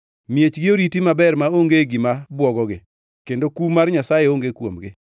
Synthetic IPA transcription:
mjet͡ʃɡɪoɾitimabɛrmaoŋɡeɡɪmabwɔɡɔɡɪ | kendokumarɲasajeoŋɡekwomɡɪ

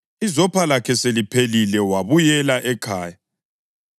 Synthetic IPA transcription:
izɔpʰalakʰɛselipʰelilɛwaβujɛlaʔɛkʰaːja

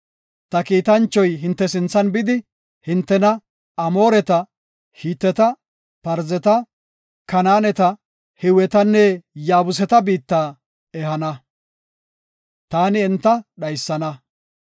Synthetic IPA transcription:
t̪ɐkiːt̪ɐnt͡ʃːɔjɦɪnt̪ːɛsɪnt͡sːɐnbɪd̪ɪ | hɪnt̪ːɛnɐ | ɐmo̞ːɾɛt̪ɐ | hiːt̪ːɛt̪ɐ | pɐɾzɛt̪ɐ | kɐnaːnɛt̪ɐ | hɪwɛt̪ɐnːɛjaːbʊs̬ɛt̪ɐbiːt̪ːaː | ɛhɐnɐ | t̪aːnɪɛnt̪ːɐɗɐjsːɐnɐ

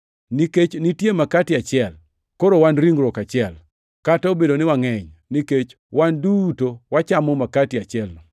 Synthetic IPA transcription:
niket͡ʃnɪtjemakatɪat͡ʃɪɛl | koɾowanɾiŋɡɾɔkat͡ʃɪɛl | kataobedonɪwaŋɛɲniket͡ʃ | wandutowat͡ʃamɔmakatɪat͡ʃɪɛlnɔ

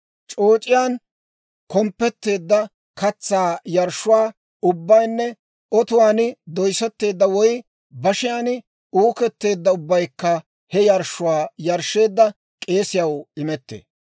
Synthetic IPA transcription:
t͡ʃʼoːt͡ʃʼɪjaːn | kɔmpːɛt̪ːe̞ːd̪ːɐ | kɐt͡sːaːjɐɾʃːʊwaː | ʊbːɐjnːɛ | ɔt̪ʊwaːnɪd̪ɔjsɛt̪ːe̞ːd̪ːɐwɔj | bɐʃɪjaːn | uːkɛt̪ːe̞ːd̪ːɐʊbːɐjkːɐ | hɛjɐɾʃːʊwaːjɐɾʃːe̞ːd̪ːɐ | kʼe̞ːsɪjɐwɪmɛt̪ːḛː

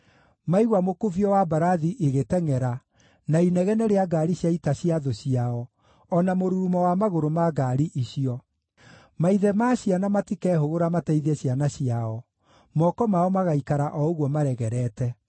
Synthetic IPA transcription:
maiɣwamokoviɔwabaɾaðiʔeɣetɛŋɛɾa | nainɛɣɛnɛɾeaɡaɾiɕjaitaɕiaðoɕiaɔ | ɔnamoɾuɾumɔwamaɣoɾomaɡaɾiʔiɕiɔ | maiðɛmaɕjanamatikɛːhoɣoɾamatɛiðɛɕjanaɕijaɔ | mɔkɔmaɔmaɣaikaɾaʔɔoɣwɔmaɾɛɣɛɾɛːtɛ

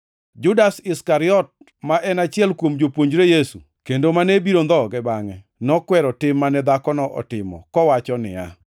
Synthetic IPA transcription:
d͡ʒʊdasɪskaɾɪɔt̚ | maʔɛnat͡ʃɪɛlkwomd͡ʒopwoɲd͡ʒɾejesṵ | kendomanebiɾond̪ɔɡɛbaŋɛ | nɔkwɛɾɔtɪmːanɛd̪akɔnɔʔɔ̰tɪmɔ̰kɔwat͡ʃɔnɪ̰a̰

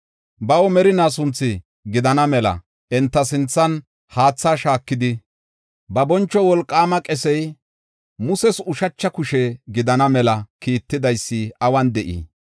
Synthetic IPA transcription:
bɐwɔmɛɾɪnaːs̬ʊnt͡sːɪ | ɡɪd̪ɐnɐmɛlɐ̰ | ɛnt̪ːɐs̬ɪnt͡sːɐn | haːt͡sːaːʃaːkːɪd̪ɪ | bɐbɔnt͡ʃːɔwɔlkʼːaːmɐkʼɛsɛj | mʊsɛsʊʃɐt͡ʃːɐkʊʃɛɡɪd̪ɐnɐmɛlɐkiːt̪ːɪd̪ɐjsːɪɐwɐnd̪ɛʔḭː

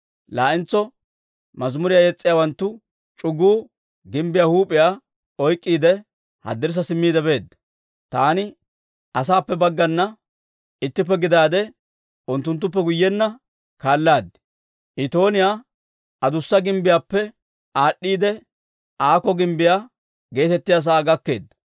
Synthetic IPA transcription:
laːʔɪnt͡sːɔ | mɐzmʊɾɪjaːjɛt͡sʼːɪjaːwɐnt̪ːʊ | t͡ʃʼʊɡːuː | ɡɪmbɪjahuːpʼɪjaː | ɔjkʼːiːd̪ɛ | hɐ̰d̪ːɪɾs̬ɐsɪmːiːd̪ɛbe̞ːd̪ːɐ | t̪aːnɪ | ʔɐs̬aːpːɛbɐɡːɐnːɐ | ɪt̪ːɪp̬ːɛɡɪd̪aːd̪ɛ | ʊnt̪ːʊnt̪̬ːʊp̬ːɛɡʊjːɛnːɐ | kaːlːaːd̪ɪ̥ | ʔɪt̪o̞ːnɪjaː | ɐd̪ʊsːɐɡɪmbɪjaːpːɛ | ʔaːɗːiːd̪ɛ | ʔaːkɔɡɪmbɪjaː | ɡe̞ːt̪ɛt̪ːɪjas̬aːɡɐkːe̞ːd̪ːɐ̥

